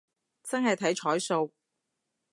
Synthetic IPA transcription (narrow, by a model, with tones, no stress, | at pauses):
t͡sɐ˥nɦɐ˨jt̪ʰɐ˨˥jt͡ʃʰɔː˨˥jso˧w